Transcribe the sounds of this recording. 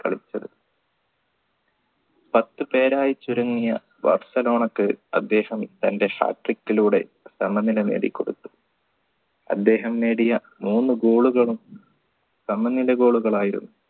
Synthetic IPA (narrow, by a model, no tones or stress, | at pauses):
kɐ̰ɭit͡ɕːɐðɨ | pɐt̪ːɨpe̞ːɾaːjit͡ɕːuɾuŋːijɐ̰ | ʋɐ̰rsɐlo̞ːɳɐkːɨɐ̰d̪ːe̞ːhɐmt̪ɐnde̞ha̰ːʈrikːiluːɽe̞̰ | sɐmɐnːilɐnḛːɽḭkːoɽṵt̪ːu̥ | ɐ̰d̪ːe̞ːɦɐmne̞ːɽijɐ | muːnːɨɡo̞ːɭuɣɐɭum | sɐmɐnːilɐɡo̞ːɭuɣɐɭaːjiɾṵnːu